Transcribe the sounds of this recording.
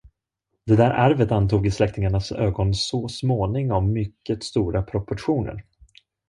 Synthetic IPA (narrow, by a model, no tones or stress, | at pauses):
d̪̥ɛd̪æːɾʔaɾvət̪ant̪ʰuːɡɪslɛkt̪ɪŋaɳasøːɡɔnsoːsmoːnɪŋɔmːʏkːət̪st̪uːɾapʰɾɔpɔʈɧuːnə̰ɾ